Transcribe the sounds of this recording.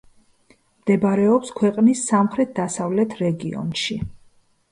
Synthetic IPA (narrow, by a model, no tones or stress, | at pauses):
md̪̥ɛbaɾɛɔpskʰwɛqʼnisːamχɾɛt̪̚d̪̥asavlɛt̪ʰɾɛɡiɔ̰nʃi